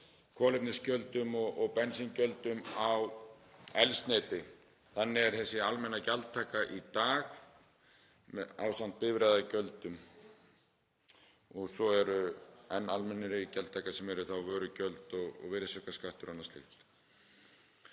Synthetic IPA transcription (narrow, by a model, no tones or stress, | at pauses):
kʰɔːlɪpnɪscœlt̪ʏmɔɣʔɔɣpɛnsincœlt̪ʏmaw | ɛlst̪nejt̪ɪ | θanːɪɛɾ̥θɛsːɪalmɛnːacalt̪t̪ʰːaːkaʔit̪aːx | mɛa̰ːwsan̥t̪̚pɪvɾaːjðacœlt̪ʏm | ɔɣsɔɛɾʏɛnːalmɛnːɪɾɪcalt̪ʰːaːkasɛmɛɾʏθawvœːɾʏcœlt̪ɔɣɔ̰ɣvɪɾɪsœkaskaht̪ʏɾanːast̪ɪ̰xt̪